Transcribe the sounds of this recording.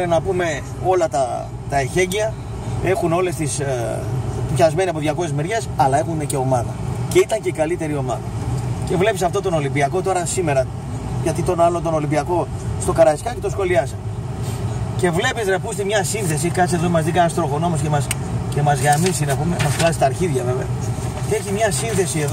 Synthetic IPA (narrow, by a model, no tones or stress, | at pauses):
enɐpume̞ | o̞lɐt̪ɐ | t̪ɐeçe̞ɲɟiɐ | e̞xuno̞le̞st̪is | pçɐzme̞niɐpoðʝɐko̞sezmeɾʝe̞sɐlɐe̞xunnece̞o̞mɐðɐceit̪ɐɲceikɐlit̪e̞ɾio̞mɐðɐ̰ce̞vle̞pisɐft̪o̞t̪o̞no̞limbiɐko̞t̪o̞ɾɐsime̞ɾɐ | ʝɐt̪it̪o̞nɐlo̞nt̪o̞no̞limbiɐko̞st̪o̞kɐɾɐskɐce̞t̪o̞sxo̞liɐsɐ | ce̞vle̞piznɐpust̪imɲɐsinθe̞s̬ikɐsezomɐzðiɡɐnɐst̪ɾo̞ɣo̞no̞mo̞scemɐs | ce̞mɐzɣɾɐmisinɐpumemɐsflɐsi̥t̪ɐːɾçiðʝɐve̞veɐ | eçimɲɐsinθe̞sie̞ð